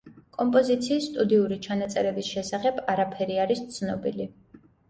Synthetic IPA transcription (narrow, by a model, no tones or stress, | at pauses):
kʼɔmpʼɔzit̪sʰiːsːt̪ʼud̪iuɾit͡ʃʰanat̪sʼɛɾɛbisʃɛsaχɛbaɾapʰɛɾiaɾist̪sʰnɔbḭli